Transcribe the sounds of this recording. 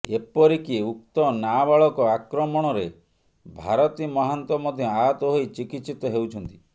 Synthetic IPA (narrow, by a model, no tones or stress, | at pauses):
epɔɾikiuk̚t̪ɔnabaɭɔkɔakɾɔmɔɽ̃ɔɾe | bʱaɾɔt̪imɔɦant̪ɔmɔd̪ʱjɔ̃aɦɔt̪ɔɦojt͡ʃikit̪sit̪ɔɦewt͡ʃʰɔnt̪i̥